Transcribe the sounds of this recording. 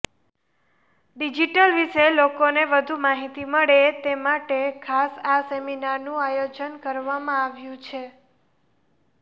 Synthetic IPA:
ɖid͡ʒiʈəlʋiʃelokoneʋəd̪ʱumaɦit̪iməɭet̪emaʈekʰasaseminaɾnũajod͡ʒənkəɾʋamãaʋjũt͡ʃʰe

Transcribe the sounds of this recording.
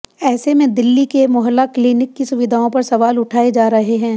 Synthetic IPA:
ɛːsemẽd̪ɪlːikemʊɦlːakliːnɪkːisʊʋɪd̪ʱaːõpɐɾsɐʋaːlʊʈʰaːed͡ʒaːɾɐɦeɦɛ̃ː

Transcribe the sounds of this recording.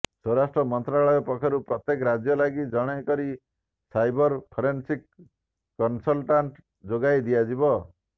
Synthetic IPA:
sɔɾasʈɾɔmɔnt̪ɾaɭɔjɔpɔkʰɔɾupɾɔt̪jekɾad͡ʒjɔlaɡid͡ʒɔɽ̃ɔjkɔɾi | sajbɔɾpʰɔɾensikː | ɔnsɔlʈaɳʈ | d͡ʒoɡajd̪ijad͡ʒibɔ

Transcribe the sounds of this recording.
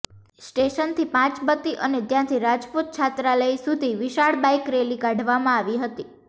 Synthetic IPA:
sʈeʃənt̪ʰipãt͡ʃbət̪iʔənet̪jãt̪ʰiɾad͡ʒput̪̚t͡ʃʰat̪ɾaləisud̪ʱiʋɪʃaɭbajkɾeliɡãɖʱʋamãaʋiɦət̪i

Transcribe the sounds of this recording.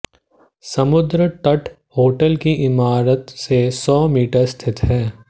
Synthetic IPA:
sɐmʊd̪ɾəʈəʈ | hoːʈəlkiʔɪmaːɾət̪sesɔːmiːʈəɾst̪ʰɪt̪ɦɛː

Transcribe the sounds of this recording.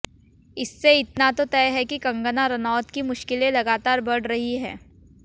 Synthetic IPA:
ɪsːeɪt̪nat̪ot̪ɛːɦɛkikɐ̃ŋɡənaɾɐnaːt̪kimʊʃkɪlẽlɐɡaːt̪aːɾbɐɽ̤ɾɐɦiɦɛ̰̃ː

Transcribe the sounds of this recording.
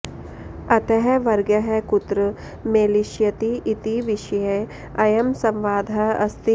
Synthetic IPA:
ɐt̪ɐɦɛʋɐɾɡjɐɦɛkʊt̪ɾə | meːliʃjɐt̪iʔːt̪iʋiʃɐje | ɐjɐmsɐ̃mʋaːd̪ʱaɐ̰st̪i

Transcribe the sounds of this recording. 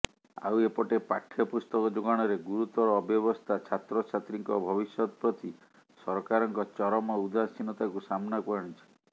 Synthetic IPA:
a̰wepɔʈepakʰːjɔpust̪ɔkɔd͡ʒoɡaɽ̃ɔɾeɡuɾut̪ɔɾɔːbjɔβɔst̪ʰat͡ʃʰat̪ɾɔt͡ʃʰat̪ɾiŋkɔbʱɔbisjɔt̪ɔpɾɔt̪i | sɔɾkaɾɔŋkɔt͡ʃɔɾɔmɔud̪ʱasinɔt̪akusamnakɔɾɔɽ̃it͡ʃʰi̥

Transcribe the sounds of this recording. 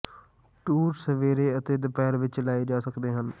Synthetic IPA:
ʈuːɾsəʋeːɾeːət̪eːd̪əpɛːɾʋɪt͡ʃlaːiːd͡ʒaːsəkd̪eːɦən

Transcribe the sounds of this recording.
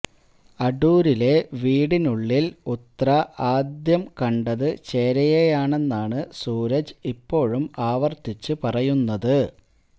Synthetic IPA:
ɐɖuːɾile̞ʋiːɽinuɭːilut̪rɐʔaːd̪jɐmkɐɳɖɐðɨt͡ɕe̞ːɾɐjejaːɳe̞nːaːɳɨsuːɾɐd͡ʑipːo̞ːɻumaːʋɐrt̪it͡ɕːɨpɐrɐjunːɐðɨ

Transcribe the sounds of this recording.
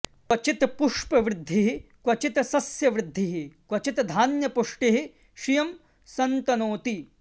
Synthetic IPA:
kwɐt͡ʃit̪puʂpɐʋɾɪd̪ʱːiɦikʋɐt͡ʃit̪sɐsjɐʋɾɪd̪ʱːiɦikwɐt͡ʃit̪d̪ʱaːnjɐpuʂʈiɦi | ʃijɐm | sɐnt̪ɐnoːt̪i

